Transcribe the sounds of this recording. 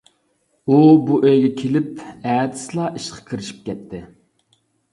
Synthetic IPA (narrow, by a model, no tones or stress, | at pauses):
ubuʔøjɡʲɛkʲʰelɪpɛːd̪ɪ̥slˠɑʔiʃqʰɑ̥kʲʰiɾɪʃi̥p̚kʲɛt̪ʰːɪ